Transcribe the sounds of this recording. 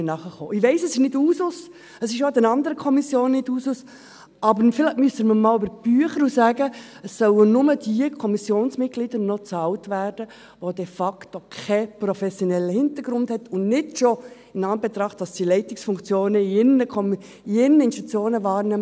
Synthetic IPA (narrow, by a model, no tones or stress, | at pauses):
nɑχəχo̰ːʔɪʋɛɪsəsɪʃnɪduːsʊs | əsɪʃod̪ɛnɑndəɾəkʰɔmisjoːnːɪduːsʊs | ɑbəɾfɪlɛtmyəsəməmɑːlybəb̥yəχəɾusæːɡə | əsːœwənʊməd̥iəkʰɔmisjoːnsmɪt̚ɡlidəɾnɔt͡sɑltʋæːrd̥ə | ʋod̥ɛfɑktokʰɛpɾɔfɛsjɔnɛlːəhɪntəɾɡ̥ɾʊnthɛtʰʊnnɪdʃɔ | ɪnɑnbɛt̪ɾɑχtd̥ɑsd̥ilɛɪtɪksfʊŋkt͡sjoːnəiɪnəkʰɔm | ɪnəɪnʃtit͡sjoːnəʋɑːɾnɛmə